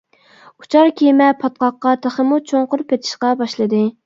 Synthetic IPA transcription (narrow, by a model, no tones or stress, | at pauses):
u̥t͡ʃʰɑɾkʲʰimɛpʰɑt̪̚qɑqːɑt̪ʰæχəmʊt͡ʃʰoŋqʊɾpʰɛt̪ʰɪ̥ʃqɑbɑʃlˠɨd̪ɨ